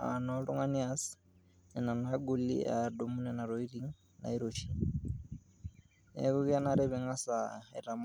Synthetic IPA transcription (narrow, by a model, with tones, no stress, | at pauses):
a̰nɔɺu˦ŋa˦nias | nɛ˨na˨naɡu˦lḭado˨mu˦nɛna˨ɾoi˦ɾi˦ŋ | na̰˨i˦ɾot͡ʃʰi | ɛ̰˦ku˦ki˦anaɾɛβɛŋa˦saḭ˨ɾa˨m